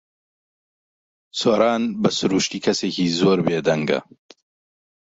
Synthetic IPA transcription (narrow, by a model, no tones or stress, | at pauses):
soːɾaːnbɐsʊɾuːʃt̪iːkʰɐseːkiːzoːɾbeːd̪ɐŋɡɐ̰